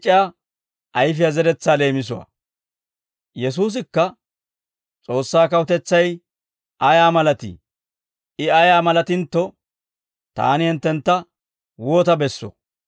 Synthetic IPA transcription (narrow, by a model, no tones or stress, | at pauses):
t͡ʃʼːɪa | ʔɐjfɪjazɛdɛt͡sːaːle̞ːmɪs̬ʊwɐ̰ | jɛs̬uːs̬ɪkːɐ | t͡sʼo̞ːsːaːkɐwʊt̪ɛt͡sːɐj | ʔɐjaːmɐlɐt̪ɪ̰ | ɪɐjaːmɐlɐt̪ɪnt̪ːɔ | t̪a̰ːnɪhɛnt̪ːɛnt̪ːɐ | woːt̪ɐbɛsːɔ̰